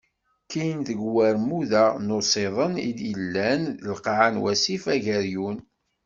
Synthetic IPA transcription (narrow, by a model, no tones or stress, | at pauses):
kijənðəɡwæɾmuðænosˤeðˤənḭd̪əlːænəlqʕanwæsifæʝæɾjun